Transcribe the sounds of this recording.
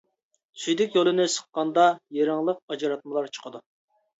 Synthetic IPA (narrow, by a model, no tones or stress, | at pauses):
syjd̪ɪkʲjolˠɨnɪsə̥qːɑnd̪ɑjeɾɑŋlˠəq̚ɑd͡ʒɨɾɑt̪̚mɨlˠɑɾt͡ʃʰə̥qʰəd̪u